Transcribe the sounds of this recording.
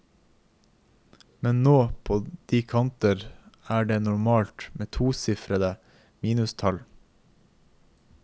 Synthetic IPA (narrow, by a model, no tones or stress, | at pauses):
mɛnnoːpʰoːd̪̥iːkʰɑnt̪əɾæːɖeːnʊɾmɑːlt̪meːt̪ʰuːsɪfɾəd̪ə | miːnʉst̪ʰɑl